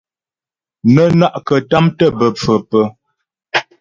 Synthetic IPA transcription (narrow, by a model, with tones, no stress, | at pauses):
nə˦na˦ʔkə˨ta˦mtə˦bə˨p͡fə˨pə˦